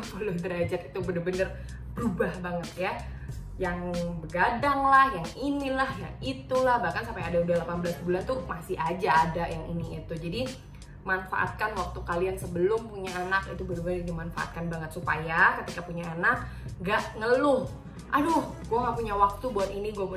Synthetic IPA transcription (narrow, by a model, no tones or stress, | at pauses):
pəlʊhd̪əɾad͡ʒat̪it̪ubənərbənər | bəɾubahbaŋət̪ja | jaŋbəɡadaŋlahjaŋinilahja̰ŋit̪ulahbahkansampajadaudahlapanbəlasbulant̪umasɪhad͡ʒaːdajaŋiniːt̪ud͡ʒadi | manfa̰ʔa̰t̪̚kanwak̚t̪ukaliansəbəlʊmpuɲaanakit̪ubəndəbənərdimanfa̰ʔa̰t̪̚kanbaŋət̪supajakət̪ikapuɲaanak̚ | ɡaʔŋəlʊh | ʔadʊhɡuaŋɡaʔpuɲawak̚t̪ubuat̪iniɡuap